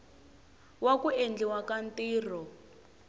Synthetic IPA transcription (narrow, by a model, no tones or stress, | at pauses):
wakuend͡ɮiwakantiːr̤ɔ